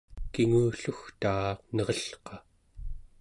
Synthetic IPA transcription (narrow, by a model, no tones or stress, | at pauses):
kiŋuːɬuxt̪aːqnʌʁʌɬqɑ